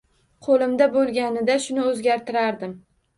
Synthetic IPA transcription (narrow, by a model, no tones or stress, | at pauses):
qʰolɪmd̪abolˠɡʲanɪd̪aʃʊnɪɵzɡʲaɾt̪ʰɪɾaɾd̪ɪm